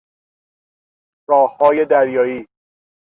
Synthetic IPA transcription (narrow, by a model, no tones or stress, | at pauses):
ɾɒːhːɒːjed̪æɾjɒːiː